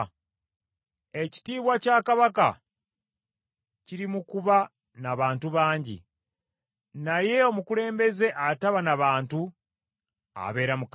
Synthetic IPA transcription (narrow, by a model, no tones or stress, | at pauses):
e̞ci̥tiːβwacaːkaβaka | ciɾimukuβa | naβaːntuβaːɲɟḭ | naje̞o̞mukule̞ːmbe̞ze̞ʔataβanaβaːntu | a̰βe̞ːɾamuk